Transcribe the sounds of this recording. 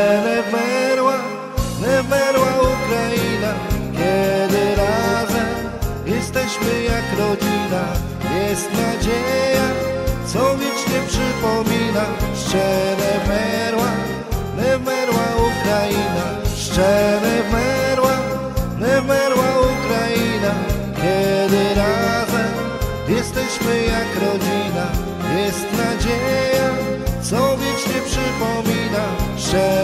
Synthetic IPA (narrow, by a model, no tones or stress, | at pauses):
nɛmɛɾwa | nɛmɛɾwaukɾajinakʲɛd̪ɘɾazɛm | jɛst̪ɛɕmɘjakɾɔd͡ʑina | jɛst̪nad͡ʑeja | t̪sɔvʲit͡ʂɲɛpʂɘpɔmʲinaʂt͡ʂɛnɛmɛɾwa | nɛmɛɾwaukɾajina | ʂt͡ʂɛɾɛmɛɾwa | nɛmɛɾwaukɾajina | kʲɛd̪ɘɾazɛm | jɛst̪ɛɕmɘjakɾɔd͡ʑina | jɛst̪nad͡ʑejat̪sɔ̃vʲjɛt͡ʂɲɛpʂɘpɔmʲinaʂt͡ʂɛ